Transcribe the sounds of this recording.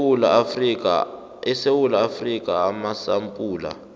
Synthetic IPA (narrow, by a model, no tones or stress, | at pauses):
lia | ɛsewulaːfrikʼaamasampʼuːla̰